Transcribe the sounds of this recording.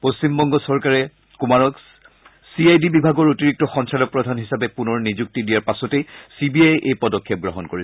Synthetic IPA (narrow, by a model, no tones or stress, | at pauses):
post͡ʃimbɔŋɡɔsɔɹkaɹɛ | kumaɹɔk | siajdibibʱaɡɔɹotiɹik̚tɔxɔnsalɔk̚pɹɔdʱanɦisapɛpunɔɹnizuk̚tidijaɹpasɔtejsibiajʔejpɔdɔkʰːɛp̚ɡɹɔɦɔnkoɹis